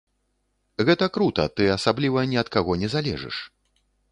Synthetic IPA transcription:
ɣɛt̪ɐkɾut̪ɐ̰t̪ɨɐsablʲivɐnʲɛɐt̪̚kaɣɔnʲɛzalʲɛ̰ʐɨ̰ʂ

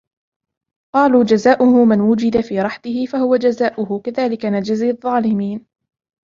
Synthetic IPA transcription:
qɑːluːd͡ʒazaːʔʊhʊmanwʊd͡ʒɪd̪afiːɾˤɑħt̪ɪhɪfahʊwad͡ʒazaːʔʊhʊkaðaːlɪkanad͡ʒɪzɪðˤːɑːlɪmiːn

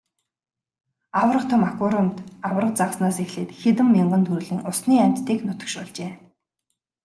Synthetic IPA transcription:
awrə̆qt̪ʰʊmakʊɾʊmt̪awrə̆q̚t͡saʁsnaːsixɮeːt̪xet̪ɘ̆mːiɴɢə̆nt̪ʰuɾɮĭŋʊsniːam̥ʲt̪ːiːknʊt̪ə̆kʃpɔɮt͡ɕeː

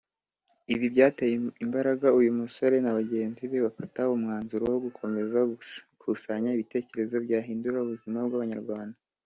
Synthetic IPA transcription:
iβibɟaːtejeimbaɾaɡaujumuso̞ɾe̞naβaɟe̞ːnziβe̞βafataomŋaːnzuɾowoɡukʰo̞me̞zakʰusaɲaiβite̞ːce̞ɾe̞zo̞bɟaːɦiːnduɾauβuzimabɡaβaɲaɾɡwaːnda

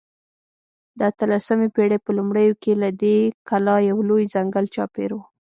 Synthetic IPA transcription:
d̪əat̪əlasamepeɽepəlumɽəjokelad̪ekalɑjawlojzaŋɡalt͡ʃɑ̰peɾwu

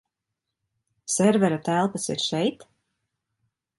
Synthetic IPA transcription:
sɛɾvɛɾat̪ælˠpəsiɾʃɛjt̪

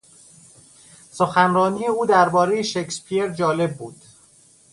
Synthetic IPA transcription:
soxænrɒːniːjeuːd̪æɾbɒːɾejeʃekspʰieɾd͡ʒɒːle̞bːuːd̪̥

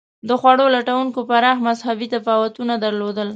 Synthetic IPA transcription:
d̪əxwaɽolaʈawuŋkopaɾɑxmazhabit̪apɑwat̪unad̪aɾlod̪əl

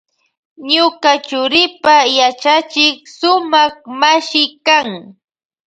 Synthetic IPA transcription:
ɲʊkat͡ʃʊɾɪpajat͡ʃat͡ʃɪksʊmaχmaʃɪkaŋ

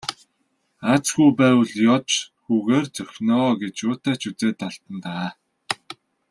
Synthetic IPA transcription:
at͡sɡujpæːwə̆ɮjɔt͡ɕxuːɣeːrt͡sœxʲnɔːɡet͡ɕjʊːt̪aːt͡ɕʰut͡seːt̪ːaɮt̪ə̆nt̪a

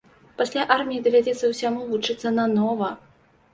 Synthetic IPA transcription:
pasʲlʲaʔarmʲijid̪ɐvʲad͡zʲɛt̪sːɐwsʲamuvut͡ʂɨt̪sːɐnɐnɔvɐ

